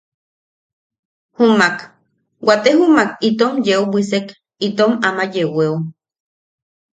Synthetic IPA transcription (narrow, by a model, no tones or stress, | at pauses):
humak | wat̪ehumakit̪omjeubʷisek | it̪omamajeweu